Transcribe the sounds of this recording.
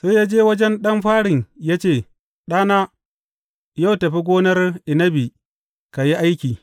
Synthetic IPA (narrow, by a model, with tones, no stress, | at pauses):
seː˦jaː˦d͡ʒeː˦wɐ˦d͡ʒɛ˦nɗɐ˦mɸaː˦ɽɪ˨ɲjaː˦t͡ʃeː˦˨ | ɗaː˦na˦ | ja˦˨wtɐ˨ɸi˦ɡʷoː˦nɐ˦rʔɪ˨nɐ˦bi˨ | ka˨ji˦ʔa˦jkʲiː˨